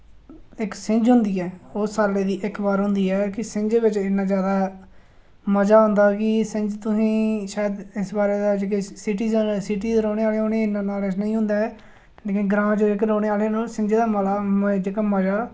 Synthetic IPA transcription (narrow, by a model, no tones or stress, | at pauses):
ɪksɪ̃ɲd͡ʒɦʊ̃nd̪iːɛːoːsaːɾleːd̪iːʔɪkbaːɾɦʊ̃nd̪iːɛːkɪsɪɲd͡ʒeːʋɪt͡ʃɪnːãːzjaːd̪aː | məd͡ʒaːɦʊ̃nd̪aːkɪsɪ̃ɲd͡ʒt̪ʊsĩːʃaːjəd̪ɪsbaːɾeːd̪aːd͡ʒeːk̬esɪʈ̬iːzsiʈ̬iːzɾoːɽeːaːleːoːneːɪnãːnaːlesnəĩːɦʊ̃nd̪aːɛː | leːkɪnɡɾãːd͡ʒoːɪkɾoːneːaːleːnaːsɪ̃ɲd͡ʒeːd̪aːməlaːd͡ʒeːkaːməd͡ʒaː